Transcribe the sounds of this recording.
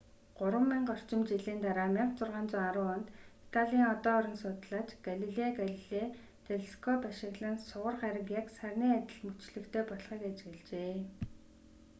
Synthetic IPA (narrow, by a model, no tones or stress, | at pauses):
ɢ̥ʊɾwə̆mːiɴɢɔr̥t͡ɕɪ̆mt͡ɕiɮiːnt̪aɾaːmeχt͡sʊrʁaːnt͡sʊːŋaɾʊːʊnt̪it̪ʰaɮʲiːŋɔt̪ɔːɾʲɪ̆ŋsʊt̪ɮaːt͡ɕɡ̥aɮiɮeaɡaɮiɮe | t̪eɮskʰɔpaʃɪ̆ɣɮə̆nsʊʁə̆rχæɾə̆kjaksærʲniːat̪ʲɪ̆ɮmut͡ɕɮɘ̆kt̪ʰeːpɔɮχiːkat͡ɕɡĕɮt͡ɕeː